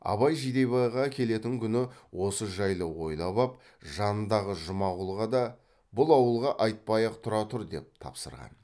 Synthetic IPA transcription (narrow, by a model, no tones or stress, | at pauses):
ɑ̰βɑjʒijd̪e̞jβɑjʁɑkʲʰe̞le̞t̪ɪŋkʲʰʏnɪwo̞səʒɑjlˠəwo̞jlˠɑβɑp̚ | ʒɑnənd̪ɑʁəʒʊmɑʁəlˠʁɑd̪ɑ | bʊlˠɑwəlˠʁɑʔɑjt̪̚pɑjɑqt̪ʰʊɾɑt̪ʰʊɾd̪e̞p̚t̪ʰɑ̰psə̰ɾʁɑ̰n